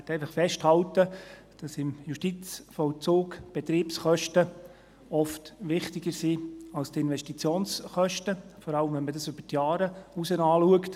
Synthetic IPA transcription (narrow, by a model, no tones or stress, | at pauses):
tːɛɪfɑχfɛʃthɑltə | d̥ɑsɪmjuʃtit͡sfɔlt͡suːkb̥ɛt̪ɾiːpsχœʃtə | ɔftʋɪχtɪɡəɾsiːɑlstɪnʋɛʃtit͡sjoːnsχœʃtəfɔɾɑləmvɛnmədɑsʏb̥ətjɑːɾəusənɑːluəkt